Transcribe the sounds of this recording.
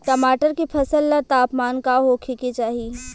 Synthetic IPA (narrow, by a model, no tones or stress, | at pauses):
kɐmaːʈəɾkipʰɐsəlːɐɾt̪aːpmaːnkaɦokʰeket͡ʃaːɦie